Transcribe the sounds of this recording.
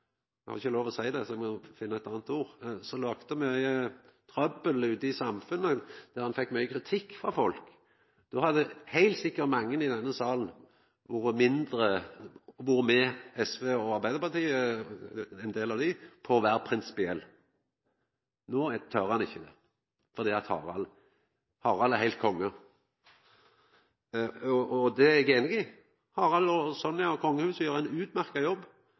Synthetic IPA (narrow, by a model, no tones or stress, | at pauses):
hɑ̰ɾɪçəloːʋɔsæɪd̪ɛsɔɛmɔfɪnːəɛt̪ɑːnət̪uːɾsɔlɑːkt̪əmɛ | t̪ʰɾɑbəlʉːd̪ɪsɑmfʉnːəd̪̥æʁhɑnfɛkːmœʏəkʰɾɪt̪ʰɪkːfʁɑfɔlk | d̪̥ɔhɑd̪əhæɪlt̪sɪkːəɾt̪mɑŋːənɪd̪ɛnːəsɑːln̩ | ʋʊɾəmɪnd̪ɾə | ʋʊɾəmɛɛsʋeːɔɑɾbæɪd̪əɾpɑʁt̪ʰiːə | ɛɪnd̪eːlɑʋd̪ɪpʰɔɔʋæːɾpʰɾɪnsɪ̥pɪɛlː | noːt̪ʰœɾhɑnɪçːəd̪ɛ̰ | fɔɾd̪iːɑt̪hɑ̰ːɾɑl | hɑːɾɑlæhæɪlt̪̚kʰɔŋːə | ɔd̪ɛæɡeːnəɡɪ | hɑːɾɑlɔsɔnːjɑkʰɔŋːəhʉːsjøːɾæɪnʉːt̪mæɾkɑjɔbː